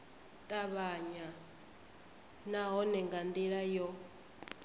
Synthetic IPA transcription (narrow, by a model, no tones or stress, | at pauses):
tʼaβaɲa | naɦɔnɛŋɡand̪iɺajɔ